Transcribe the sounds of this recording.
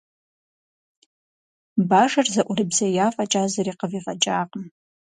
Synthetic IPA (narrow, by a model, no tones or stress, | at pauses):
baʂarzaʔʷʊribzajafʼat͡ʃʼazaɾiqʼəviʁʼat͡ʃʼaqʼm